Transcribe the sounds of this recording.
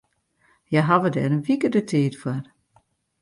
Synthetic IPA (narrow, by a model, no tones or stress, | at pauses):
jaɦaʋədɛɾənʋikədətʰiːtfwar